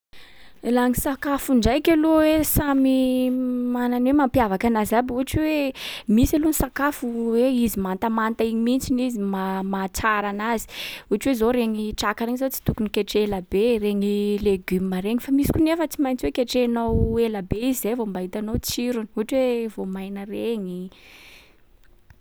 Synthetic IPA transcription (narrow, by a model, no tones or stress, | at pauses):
elaŋisakafuɳɖ͡ʐajkʲeluwesami | mananwemampiavakanazabuaʈ͡ʂiwemisalunisakafuweizimant̪amant̪aiɲimint͡sinizimamat͡saɾanazi̥uaʈ͡ʂwezoɾeŋiʈ͡ʂakaɾeɲizot͡si̥t̪ukunikʲeʈ͡ʂeelabereɲileɡymaɾeŋifamisi̥kunefət͡simajnt͡swekeʈ͡ʂeanowelabeizizejvombaɦit̪anowt͡siɾuni̥uaʈ͡ʂwevomajnəreɲi